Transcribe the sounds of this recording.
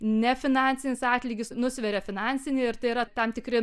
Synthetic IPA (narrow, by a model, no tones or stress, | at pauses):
nʲɛfʲɪnɑnʲt͡ssʲɪnʲɪsɑːt̪ʲlʲiːɡʲɪsnʊsʲʋʲɛɾʲɛfʲɪnɑnʲsʲɪnʲɪɪɾt̪ɐɪiɾɐt̪ɐmt̪ʲɪkrʲɪ